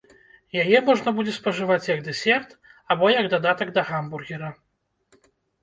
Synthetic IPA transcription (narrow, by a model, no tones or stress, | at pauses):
jajɛmɔʐnɐbud͡zʲɛspɐʐɨvat͡sʲjɐɡd̪ɛsʲɛrt̪ | abɔjɐɡd̪ad̪at̪ɐɡd̪ɐɣamburɣʲiɾɐ